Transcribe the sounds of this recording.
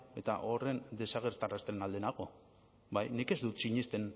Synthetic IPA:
e̞t̪a̰ʔo̞re̞nd̪e̞saɣ̞e̞ɾt̪arast̪enald̪enaɣo̞ | bajnike̞zd̪ut̪siɲest̪e̞n

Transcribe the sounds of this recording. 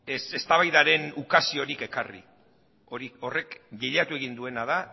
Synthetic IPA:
ese̞st̪aβajðaɾe̞nukasio̞ɾike̞karḭ | oɾio̞re̞kɡeʎat̪ue̞ɣind̪ue̞naða

